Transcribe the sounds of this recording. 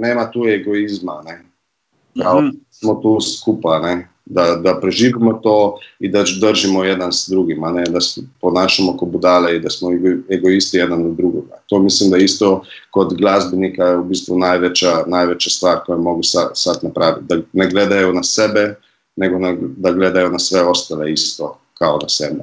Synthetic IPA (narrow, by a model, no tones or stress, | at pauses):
neːmat̪ueɡoizmane | kaosmot̪uːskupanɛ | d̪ad̪apɾɛʒiːʋimot̪oːid̪ad̪əɾʒimojɛd̪ansd̪ɾuɡimanɛd̪asɛponaːʃamokobud̪aːleid̪asmɔɡeɡoist̪ijɛd̪anod̪ɾuɡoɡa̰t̪omislimd̪ajist̪oko̞d̪ɡlˠazbenikajeubiːst̪ʋunaːjʋet͡ɕanajʋet͡ɕast̪ʋaːɾkojamo̞ɡusasat̪napɾaːʋḭt̪̚d̪aneɡled̪ajunasebe | neɡonad̪aɡled̪ajunasʋeo̞st̪aleist̪o | kaonasebe